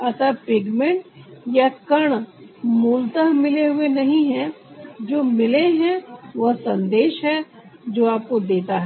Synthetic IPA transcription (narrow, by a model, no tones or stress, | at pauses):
ɐt̪ʰapɪɡmẽɳʈjakɐɽ̃muːlt̪əɦmɪleɦʊenɐɦĩɦɛ̃ | d͡ʒoːmɪleɦɛ̃ʋɐɦsɐ̃nd̪eːʃɦɛ | d͡ʒoːaːp̚kod̪eːt̪aɦɛ